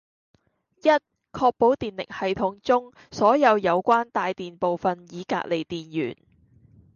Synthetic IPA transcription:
jɐ˥t̚ | kʰɔː˧k̚po˨˥wt̪iː˨˩nlɪ̰˨˩k̚hɐ˨jt̪ʰʊ˨˥ŋt͡sʊ˥ŋ | sɔː˨˥jɐ˨˧wjɐ˨˧wkʷaː˥nt̪aː˨˧jt̪iː˨npo˨wfɐ˨njiː˨˧ka̰ː˧k̚le˨jt̪iː˨njy̰ː˨˩n

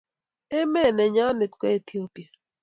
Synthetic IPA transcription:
ɛ˦mɛ˦˨nɛ˨ɲa˦ne˨t̪kɛ˦˨t̪i˦o˦pje˨

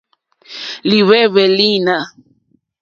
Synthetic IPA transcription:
li˨βɛ˦βɛ˨li˦˨na˦˨

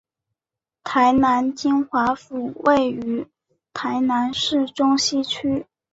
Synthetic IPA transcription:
t̪ʰa˧˥ɪna˧˥nt͡ɕi˥nxwa˧˥fu˨˩we˥˩ɪy˧˥ | t̪ʰa˧˥ɪna˧˥nʂɻ̩˥˩ʈ͡ʂʊ˥ŋɕi˥t͡ɕʰy˥

